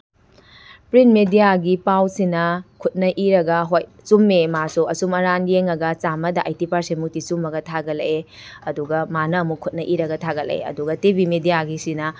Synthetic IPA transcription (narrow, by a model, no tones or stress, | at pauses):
pɾinmedijaɡipawsinɐkʰut̚nɐʔiɾɐɡɐɦoj | sumːemasuɐsumɐɾanjeŋɐɡɐt͡ʃamɐdɐʔajtipaɾsemuk̚tisumɐɡɐtʰaɡɐlɐe | ɐduɡɐmanɐɐmukʰut̚nɐʔiɾɐɡɐtʰaɡɐlḛḛɐ̰duɡɐtibimedijaɡisinɐ